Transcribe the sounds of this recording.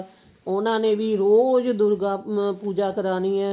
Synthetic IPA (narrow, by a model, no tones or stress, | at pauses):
ʊnãːnẽːʋiːɾoːzd̪ʊɾɡaːpuːd͡ʒaːkəɾaːniːɛː